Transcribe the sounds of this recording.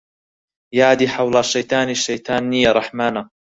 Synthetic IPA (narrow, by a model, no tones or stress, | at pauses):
jaʕd̪iːħawlaʃːajt̪ˤɑːnʃːajt̪ɑːnːijaːɾˤɑħmaːna